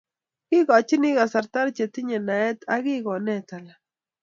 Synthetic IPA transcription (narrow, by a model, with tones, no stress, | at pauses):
kɪ˦ɣa˨t͡ʃi˦ni˦ɣa˨sa˨ɾt̪a˦ɾt͡ʃe˨t̪ɪ˦ɲe˨na˨ɛ˦t̪a˦ɣi˦ɣɔ˨nɛ˦t̪a˨la˨